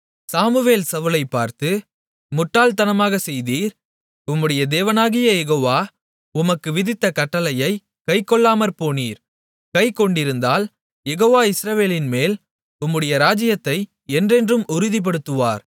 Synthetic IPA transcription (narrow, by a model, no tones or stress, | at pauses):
saːmɯʋeːlsɐʋɯlɐɪpːa̰ːɾt̪ɯ | mʊʈːaːlt̪ɐnɐmaːɣɐsɛjðiːɾ | ʊmːɯɽɐjɐd̪eːʋɐnaːɣɪjɐjɛɣoːʋaː | ʊmɐkːɯʋɪðɪt̪ːɐkɐʈːɐlɐjɐɪ | kɐɪkːɔɭːaːmɐɾpoːniːɾ | kɐɪkːɔɳɖɪɾɯnd̪aːl | jɛɣoːʋaːɪsɾɐʋeːlɪnmeːl | ʊmːɯɽɐjɐɾaːd͡ʒɪjɐt̪ːɐɪ | ɛndrɛndrɯmʊɾɯðip̬ɐɽɯt̪ːɯʋa̰ːɾ